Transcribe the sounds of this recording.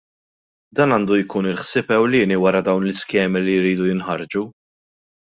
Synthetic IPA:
d̪ɐːnɐːnd̪ujkuːnɪlħsɪːpɛwlɪːniwɐɾɐd̪ɐwnlɪskɛːmilijɾiːd̪ujɪnħɐɾd͡ʒu

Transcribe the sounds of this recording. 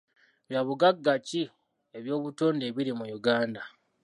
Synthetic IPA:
βjaβuɡaɡːaci | e̞βjo̞ːβuto̞ːnde̞ːβiɾimujuɡaːnda

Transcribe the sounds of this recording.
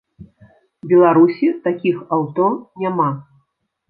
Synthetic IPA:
bʲɛlˠaɾusʲit̪akʲixawt̪ɔnʲama

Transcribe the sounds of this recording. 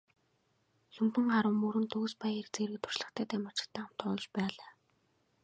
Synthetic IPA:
ɬɵmt̪ɘ̆ŋɢaɾə̆mːuɾɘ̆nt̪oːspajirt͡seɾɘ̆kt̪ʰʊ̥rt͡ɕɮə̆χt̪ʰæːt̪æmḁt͡ɕɪ̥̆kt̪ʰːæːam̥t̪ʊːt͡ɕpæːɮaː

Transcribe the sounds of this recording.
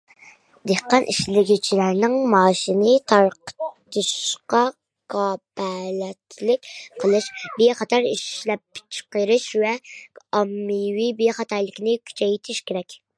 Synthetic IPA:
d̪̥ehqːɑnʔiʃlɪɡʲit͡ʃʰilæɾnɪŋmɑːʃinɪt̪ʰɑɾqə̥t̪ʰɨʃqɑ | kʰɑːpʰɛlɛt̪ʰlɪk̚ʲqʰəlˠɨʃbeχɑt̪ʰɑɾiʃlɛpt͡ʃʰqəɾɨʃwɛɑmːiwibeχɑt̪ʰɑjlˠɪkʲnɪkʲʰy̥t͡ʃʰɛjt̪ʰɪʃkʲeɾɛkʲ

